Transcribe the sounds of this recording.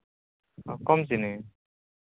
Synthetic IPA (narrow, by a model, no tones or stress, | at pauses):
a̰kɔmzinɯ